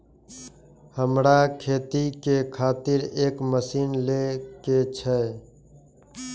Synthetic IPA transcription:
həmɾakʰeːt̪ikekʰaːt̪ɪɾeːkməsiːnleket͡ʃʰɛ

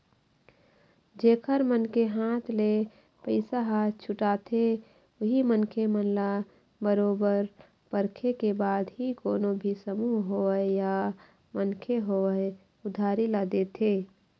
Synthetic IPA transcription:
d͡ʒeːkʰəɾmənkeɦãːt̪ʰle | pəɪsaɦat̪t͡ʃʰʊʈaːt̪ʰe | ʊɦimənkʰemənla | bəɾoːbəɾ | pəɾkʰekebaːd̪ɦikoːnobʱisəmuɦɦoəeja | mənkʰeɦoə | ʊd̪ʱaːɾilad̪et̪ʰeː

